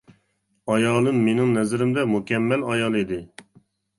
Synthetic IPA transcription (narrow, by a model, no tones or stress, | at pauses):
ɑjɑːlˠɨmːenɪŋnɛzɪɾɪmd̪ɛmukʲɛmːɛlɑjɑlˠid̪ɪ